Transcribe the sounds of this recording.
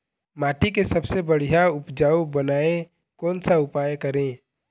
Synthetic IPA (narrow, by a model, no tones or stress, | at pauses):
maːʈikesɐbsebɐɽ̤ijaʊpd͡ʒaːubənaːẽ | kɔːnsaʊpaːjkɐɾẽː